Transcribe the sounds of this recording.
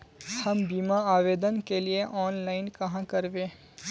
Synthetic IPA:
hɐmbiːmaaːʋeːd̪ənkelieʔɔːnlaːɪnkɐɦãkɐɾʋẽː

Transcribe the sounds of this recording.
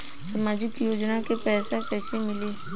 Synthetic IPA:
səmaːd͡ʒɪkjoːd͡ʒnakepɛːsakɛːsemɪleː

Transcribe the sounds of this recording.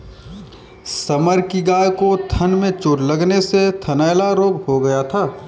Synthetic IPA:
səməɾkiɡaːjkot̪ʰənmẽt͡ʃʊɾlɐɡneset̪ʰɐnaɪlaɾoːɡhoɡɐjat̪ʰaː

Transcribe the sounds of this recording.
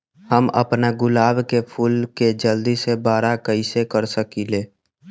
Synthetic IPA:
həmə̰pnaɡʊlaːbkepʰuːlked͡ʒəld̪isebaːɾakəisekəɾsəkileː

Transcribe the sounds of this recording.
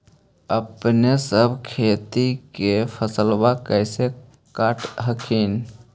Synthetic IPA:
əpnesəbʱkʰet̪ikepʰəsəlbakəɪse | kaʈɦəkʰin

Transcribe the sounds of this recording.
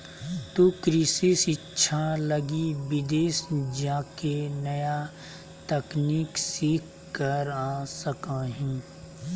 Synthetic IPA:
t̪ukɾɪsisɪtːʃʰalɐɡibɪd̪eːsd͡ʒaːkenɐja | t̪əkniːksiːkʰ | kəɾaːsəkaɦɛ̃ː

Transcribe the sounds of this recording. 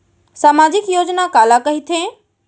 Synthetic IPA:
saːmaːd͡ʑɪkjoːd͡ʑnakaːlakɐɦit̪ʰẽ

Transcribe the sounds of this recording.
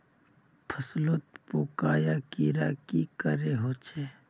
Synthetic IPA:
pʰəslot̪poːkaːjaːkiɾa̰ːkikəɾeɦoːt͡ʃʰeː

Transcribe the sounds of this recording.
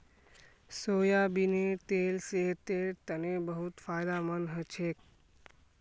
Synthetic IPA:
soːjabinet̪elseɦt̪eɾt̪ənebəɦut̪fajd̪amənɦət͡ʃʰek̚

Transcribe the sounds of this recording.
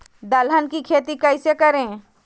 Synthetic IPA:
d̪ɐlɦənkikʰeːt̪ikɐɪsekɐɾẽː

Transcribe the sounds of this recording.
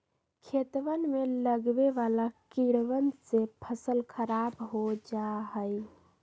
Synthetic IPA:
kʰet̪ʋənmeləɡbeʋalakiɽʋənsepʰəsəlkʰəɾabɦod͡ʒaɦəj

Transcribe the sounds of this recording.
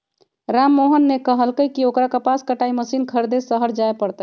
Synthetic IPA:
ɾamːoɦənːekəɦəlkəjkiokɾakəpaskəʈaiməsinkʰəɾd̪esəɦəɾd͡ʒaepəɾt̪ə

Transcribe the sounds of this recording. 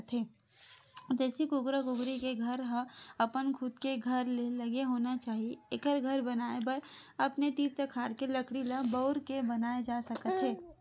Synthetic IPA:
t̪ɦeː | d͡ʒ̪ɛːsikʊɡɾakʊɡɾikeɡʱɐɾɦəɐpənkʰʊd̪keɡʱɐɾlelɐɡeɦoːnat͡ʃaːɦieekəɾɡʱɐɾbɐnaːebəɾ | ɐpnet̪iːpsekʰaːɾkelɐkɽilabɐʊɾkebɐnaːed͡ʒaːsɐkət̪ɦeː

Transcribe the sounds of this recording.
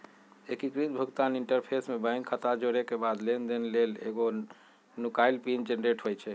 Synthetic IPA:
ekikɾit̪̚bʱukt̪aniɳʈəɾpʰesmebə̃ŋɡkʰət̪ad͡ʒoɾekebad̪lend̪enelelḛɡo | nukajlpind͡ʒenɾeʈɦojt͡ʃʰɛ

